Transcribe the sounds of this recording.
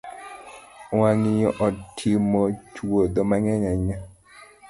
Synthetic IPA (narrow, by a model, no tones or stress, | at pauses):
waŋɪjɔʔɔtʰimɔt͡ʃwod̪ɔmaŋɛɲaɲa